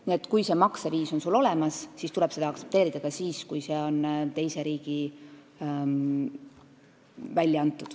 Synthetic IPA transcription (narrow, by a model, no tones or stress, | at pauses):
niet̪ːˑkujse̞ːmɑkseviːso̞nsulo̞le̞mɑssist̪ulɛb̥se̞d̪ɑɑktse̞p̚t̪e̞ːɾid̪̥ɑɡ̥ɑsiːskujse̞ːo̞nt̪e̞jse̞ɾiːɡ̥i | vælʲːjɑɑnt̪ːˑud̪̥